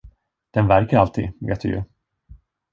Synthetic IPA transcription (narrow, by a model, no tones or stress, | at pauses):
d̪̥ɛnvæɾkəɾalt̪ʰḭːd̪vɛ̰t̪ʰɪə̰